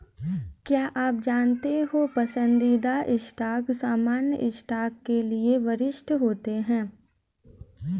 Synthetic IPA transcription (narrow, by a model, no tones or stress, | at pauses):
kjaːʔaːp̚d͡ʒaːnt̪eɦopɐsə̃nd̪id̪aʔɪsʈaːksaːmaːnjə̰ʔɪsʈaːkːelieʋɐɾɪʃʈʰɦoːt̪eɦɛ̃ː